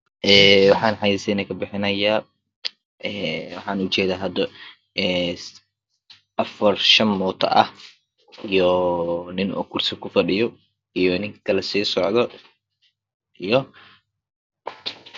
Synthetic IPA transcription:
ʔɛːwɑħɑːnħɑjisɛnɐkʰɐbɪħɪnɐjaː | ʔɛːwɑħɑːnʊt͡ʃɛːðaːɦɐd̪ɐ | ɛː | ʔɐfɐrʃɐnmɔːt̪ʰɐ̰ʔɐh | ijɔnɪnɔ̰kʰursɪkʰʊfɐɖɪjɔ | ijɔnɪŋkʰɐlɛsiːsɔʕðɔ | ʔijɔ

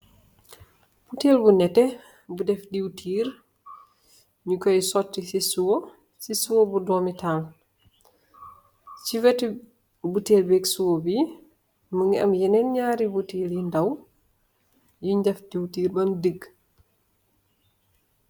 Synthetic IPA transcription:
b̥uteːlbunɛtːɛ | budɛfdiwtʰiːɾ | ɲukɔjsɔtːisisuwo | sisuwobudɔːmitʰaːl | t͡ʃiwɛtːi | buteːlbɛksuwobi | məŋiɐ̰mjɛnɛnɲaːɾibutiːljindɐw | juɲɟɐfdiwtiːɾbɐndəɡ

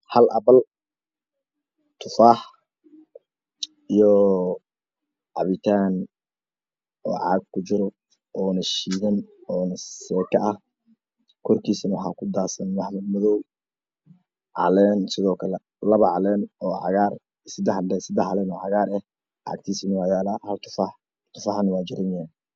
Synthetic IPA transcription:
hɐlʔɐβɐl | t̪ʰʊfaːħ | ijɔ | ʕɑ̰βɪt̪ʰaːn | ɔːʕɑ̰ːɡ̚kʰʊt͡ʃɪɾɔ | ɔːnɐʃiːðɐnɔːnɐsɛːkʰɐʔɐh | kʰɔrkʰiːsɐnɐwħɑ̰ːkʰʊd̪aːsɐnmɑħmɐd̪mɔðɔw | ʕɑ̰lɛːnsɪðɔːkʰɐlɛ | lɐβɐʕɑlɛːnɔːʕɑ̰ɣaːr | sɪd̪ɛħdɛsɪd̪ɛħɑlɛːnɔːʕɑɣaːɾɛh | ʕɑ̰ːɡ̚t̪ʰiːsɪnɐwɑjaːlahɐlt̪ʰʊ̥fɑħ | t̪ʰʊfɑħnwɑːd͡ʒɪɾɐnan

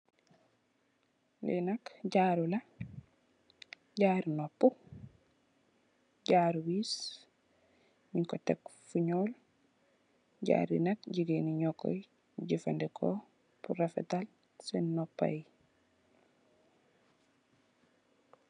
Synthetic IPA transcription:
lɛ̰nɐkɟaːɾulɐ | ɟaːɾinopːu | ɟaːɾuwiːs | miŋkɔtekfuɲoːl | ɟa̰ɾḭnɐkɟiɡeniɲɔkɔ̰j | ɟifa̰ndɛkʰo̰ | puɾafɛ̰tal | senːopːa̰j

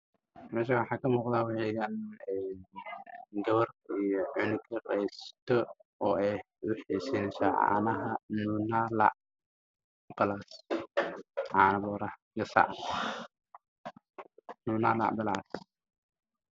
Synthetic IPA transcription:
mɛːʃ̬awɑħɑːkʰɐmuːqd̪aːwɑħɛjɡanɛː | ɡɐwɐrijɔʕɪnkʰɐqɛjst̪ʰɔ | ɔːɛj | ʔʊħiːsɛnɛsɐ̰ʕɑ̰ːnɐɦɐnuːnaːlɑ̰ʕ | bɐlaːs | ʕɑːnɐβɔːɾɐ | ɡɐsɑ̰ʕ | nuːnaːlɑ̰ʕbɐla̰ːs

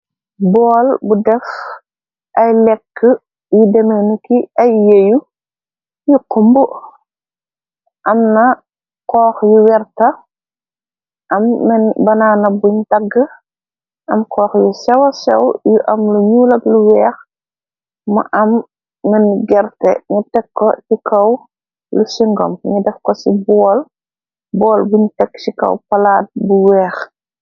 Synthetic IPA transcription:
bɔːlbudɛf | ʔɐjlɛkːə | judɛmɛnukiɐjːeju | juqumbu | ʔɐmnɐ | kɔːxjuwɛrtɐ | ʔɐmːɛnbɐnaːnɐbuɲtɐɡːə | ʔɐmkɔːxjusɛwɐsɛwjuʔɐmluɲuːlɐkluwɛːx | mɐ̰ʔɐmː | ɛnɡɛɾtɛɲutɛkːɔsikɐw | lusiŋɡɔ̰mɲudɛfkɔsibɔːl | bɔːlbuɲtɛkːsikɐ̰wpɐlaːt̚buwɛːx

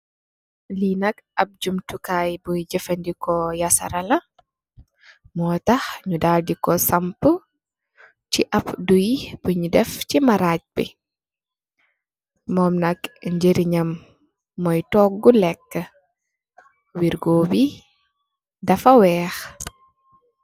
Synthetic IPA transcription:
linɐk̚ɐp̚d͡ʒumtukaːjbujɟəfɐndikɔjɐsɐ̰ɾɐlɐ | mɔːtɐxɲudaːldikɔsɐmpə | ciʔɐpdujb̥əɲudɛfcimɐɾaːc̚bḭ | mɔːmnɐkɲd͡ʒeɾiɲɐmː | ɔjtɔːɡɡulɛkːə | wiɾɡɔːbi | dɐfɐwɛːx

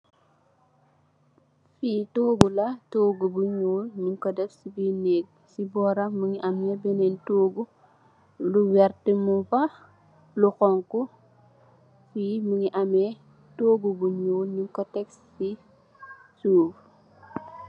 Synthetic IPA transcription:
fiːtoːɡulɐtoːɡubuɲoːlɲuŋkɔdɛfsibinɛk̚ | sibɔːɾɐməŋiʔɐmɲɛbɛnɛntoːɡu | luwɛɾtəmufɐ | luxɔŋku | fiːməŋiʔɐmɛ | toːɡubuɲoːlɲuŋkɔtɛks | i | suːf

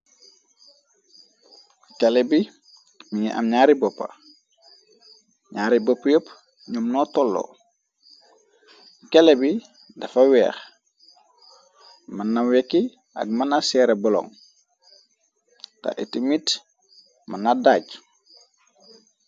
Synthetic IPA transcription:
kelebi | miɲiʔa̰mɲaːɾibɔpːɐ̰ | ɲaːɾibopːjəp | ɲumnɔtɔlːo̰ | kelebi | dɐfɐwɛ̰ːx | manːawekːi | ɐ̰ɡ̚manasɛːɾebɔlɔ̰ŋ | ta̰ʔitimit | manadaɟ

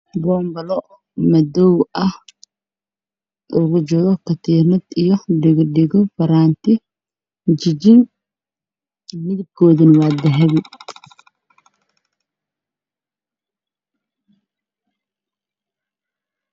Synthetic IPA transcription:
bɔːmbɐlɔ | mɐdɔwɐh | ʊɣʊt͡ʃɔɾɔkʰɐt̪ʰiːnɐd̪ijɔɖɪɡɖɪɣɔfɐɾaːnt̪ʰɪ | t͡ʃɪd͡ʒɪn | mɪðɪb̚kʰɔːðɪnwaːd̪ɛɦɛβɪ

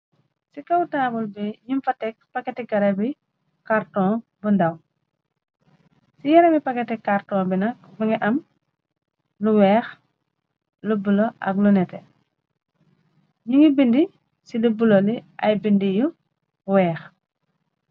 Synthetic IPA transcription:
sikɐwtaːbulbiɲumfɐtɛk̚pɐkːɛtɛɡɐɾɐbi | kaɾtɔ̃ːbundɐw | sijɐɾɐmipɐkɛtɛkartɔ̃binɐkbuŋɛʔɐm | luwɛːx | lubulɔʔɐ̰klunɛtɛ | ɲuŋibindi | silubuloliʔɐ̰jbindiju | wɛːx

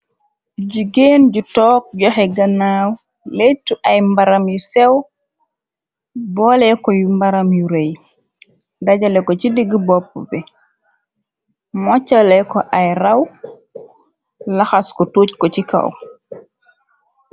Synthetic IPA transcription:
ɟuɡeːnɟutɔːk̚ɟɔxɛɡɐnaːw | letːuʔajmbaɾamjusɛw | bɔlɛkɔjumbaɾamjuɾej | daɟalɛkɔcidiɡibɔp̚ːɔ̰bɛ | mɔt͡ʃːalɛkɔʔajɾaw | laxaskɔtoːckɔt͡ʃika̰w

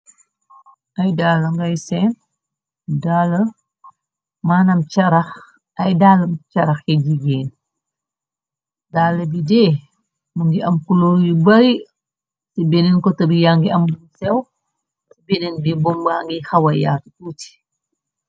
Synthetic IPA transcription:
ʔɐjdaːlɐŋɡɐjsɛn | daːlɐ | maːnɐmt͡ʃɐɾɐx | ɐjdaːlɐmt͡ʃɐɾɐxkɛd͡ʒiɡɛːn | daːlɐbidɛː | muŋɡiʔɐmkulɔːɾjubɐɾi | sibenɛnkɔtɐbijaŋɡiɐmdumsɛw | sibenɛnbibɔmbaːŋɡixɐwɐja̰ːtutuːti̥

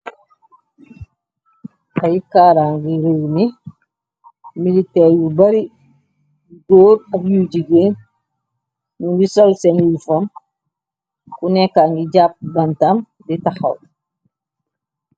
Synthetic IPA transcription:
ʔajikaːɾaŋɡiɾeɡni | militɛːɾjubaɾi | ɡoːɾɐkjuɟiɡen | nubisɔlsɛniifom | kunɛkːaŋɡiɟap̚bantam | ditaxa̰w

